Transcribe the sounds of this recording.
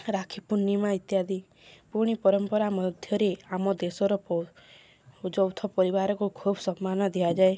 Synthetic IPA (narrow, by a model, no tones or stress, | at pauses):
ɾakʰipunimait̪jad̪i | puɽ̃ipɔɾɔmpɔɾamɔd̪ʱjɔɾeamɔd̪esɔɾɔpɔ | d͡ʒɔwt̪ʰɔpɔɾibaɾɔkukʰubsɔmːanɔd̪ʱiad͡ʒae